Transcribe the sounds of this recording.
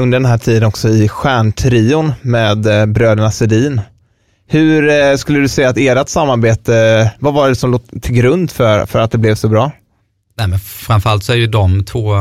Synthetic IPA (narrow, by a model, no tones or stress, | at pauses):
ɵnd̪əɖɛnɦæːʈʰiːd̪ənɔksɔɪɧæːɳʈʰɾiːʊnmeːd̪bɾøːd̪əɳasɛd̪iːn | hɵɾskɵlːəd̪ɵsɛjːat̪eːɾat̪samːaɾbeːt̪əvavaɖɛsɔmloːɡt̪ʰɪlɡɾɵnd̪fœɾfœɾat̪̚d̪ɛblɛvsɔbɾɑː | nɛmɛnfɾãmfœɾalt̪sɔæɾjɵd̪ɔmt̪ʰvoː